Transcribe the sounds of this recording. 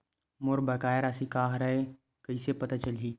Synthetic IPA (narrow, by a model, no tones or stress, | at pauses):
moɾbəkaːjeɾasĩkaːɦɾɐɦe | kəisepɐt̪at͡ʃəlɦiː